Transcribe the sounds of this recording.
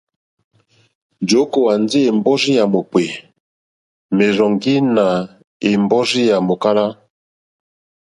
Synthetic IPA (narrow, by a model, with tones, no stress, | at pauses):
d͡ʒo˨˦ko˨wa˨ndi˦e˨mbɔ˦zi˦ja˨mo˨pwe˨ | me˨ɾɔ˨ŋɡi˦na˨ | e˨mbɔ˦zi˦ja˨mo˨ka˦la˦